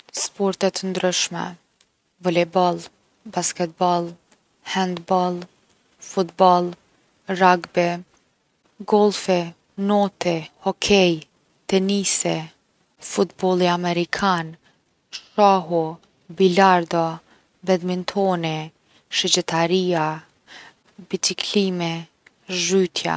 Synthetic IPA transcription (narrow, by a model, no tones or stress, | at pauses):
spɔɾt̪ɛt̪ənd̪ɾyʃmɛ̰ | vɔlɛbɔlˠ | baskɛt̪̚bɔlˠ | hɛnd̪bɔlˠ | fut̪bɔlˠ | raɡbɛ | ɡɔlˠfɛ | nɔt̪ɛhɔkʰɛj | t̪ɛnisɛ | fut̪bɔlˠiamɛɾikʰan | ʃaɦɔ | bilaɾd̪ɔ | bɛðmint̪ʰɔnɛ | ʃɛd͡ʒɛt̪aɾia | bit͡sikʰlimɛ | ʒyt̪ʰja̰